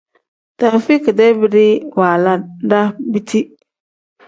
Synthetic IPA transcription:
ta˨m˨fi˦kɪ˨dɛ˦bɪ˦ɾɪ˦waː˨la˦da˦bi˦tʰi˦

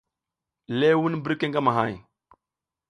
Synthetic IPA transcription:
le˦wu˦nbə˦ɾke˦ŋɡa˦ma˨ɦa̰˦˨j

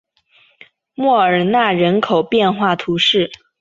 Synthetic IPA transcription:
mwɔ˥˩ə˞˨˩na˥˩ɻə˧˥nkʰo˨˩ʊpjɛ˥˧nxwa˥˩t̪ʰu˧˥ʂɻ̩˥˩

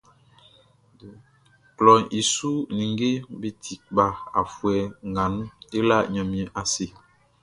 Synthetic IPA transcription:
klɔ˨i˨su˦nĩ˨ŋ˦ɡe˦bi˦tʰi˨k̚ba˨a̰˨fwɛ˨ŋɡa˨nu˦i˦la˦˨ɲɔ̃˨mĩ˨ɛ˨ʔa˨si˦

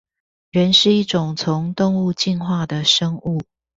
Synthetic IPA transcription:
ɥɛ˨˦nʂɻ̩˥˧i˥˩ʈ͡ʂʊ˨˩ŋt͡sʰʊ˨˦ŋt̪ʊ˥˧ŋu˥˧t͡ɕi˥˧nxwa˥˩d̪ə˩ʂə˥ŋu˥˨

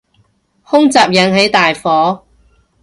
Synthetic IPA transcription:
hʊ˥ŋt͡saː˨p̚jɐ˨˧˥nɦe˨˥jt̪aː˨jfɔː˨˥

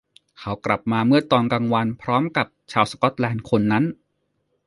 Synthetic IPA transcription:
kʰa˦˥wkla˨˩p̚maː˧mɯ˥˩ɐt̪ɔː˧nka˧ŋwa˧npʰɾɔː˦˥mka˨˩p̚t͡ɕʰaː˧wskɔ˦˥t̪̚lɛː˧nkʰo˧nːa˦˥n

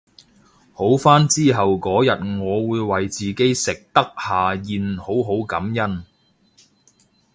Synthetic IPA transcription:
ho˨˥wfaː˥nt͡siː˥ɦɐ˨wkɔː˨˥jɐ˨t̚ŋɔː˨˧wuː˨˧jwɐ˨jt͡siː˨˩ke˨˥jsɪ˨k̚t̪ɐ˥k̚haː˨jiː˨˧nho˨˥wɦo˨˥wkɐ˨˥mjɐ˥n

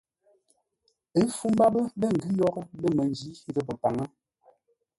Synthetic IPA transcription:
e˦fu˦m˦ba˦bə˦bə˦˨ŋ̩˨ɡi˦jɔ˦kbə˦mə˨n˦d͡ʒi˦ɾə˦˨pə˨pa˨ŋə˦

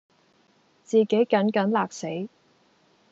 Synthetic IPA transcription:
t͡siː˨˩ke˨˥jkɐ˨˥nkɐ˨˥nlaː˨k̚se˨˥j

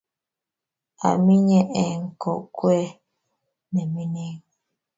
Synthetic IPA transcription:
a̰˨mi˦ɲɛ˦ʔɛ˨ŋ̩˨kɔ˨ʔkwɛ˦ | nɛ˨mi˦ne˦ŋ

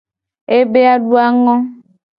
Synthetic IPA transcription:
e˦be˦a˦ɖu˦a˦ŋɔ̃˦

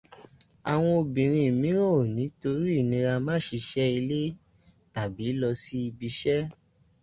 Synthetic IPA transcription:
a˨w̃ɔ̃˧o˧bĩ˨ɾ̃ĩ˧˨mĩ˨˦ɾo˦˨nĩ˨˦to˧ɾi˦˨nĩ˧ɾa˧mã˦ʃi˧ʃɛ˦i˧le˦ | ta˨bi˨˦lɔ˧si˦i˧bi˧ʃɛ˦

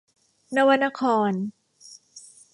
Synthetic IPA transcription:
na˧wa˧nːa˧kʰɔː˧n

